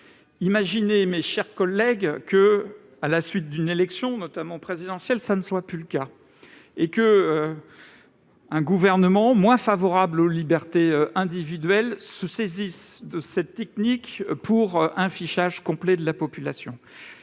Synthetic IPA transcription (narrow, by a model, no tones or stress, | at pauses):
imaʒinemeʃɛʁkɔlːɛɡkə | alasɥit̪̚d̪ynelɛksjɔ̃nɔt̪amɑ̃pχezid̪ɑ̃sjɛlsanəswaplyləka | ekəø | ɛ̃ɡuvɛʁnəmɑ̃mwɛ̃favɔʁablolibɛʁt̪eøɛ̃d̪ivid̪ɥɛlsəsezisd̪əsɛt̪ːɛk̚nikpʰuʁɛ̃fiʃaʒkɔ̃plɛd̪əlapɔpylasjɔ̰̃